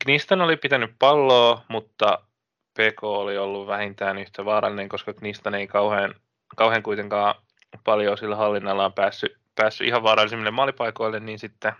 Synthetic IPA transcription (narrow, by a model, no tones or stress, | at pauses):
knist̪ɑnolipit̪ænyppɑlːoːmut̪ːɑ | peːkoːoliolːuʋʋæhint̪æːnyht̪eʋɑːɾɑ̰lːˑineŋkoskɑknist̪ɑneikɑuheːn | kɑuheːŋkuit̪eŋkɑː | pɑljoːsilːæhɑlːinːɑlːɑːmpæːsːy | pæːsːy̰ʔihɑʋʋɑːɾɑlːˑisimːilːemɑːlipɑiko̞ilːenniːnsit̪ːe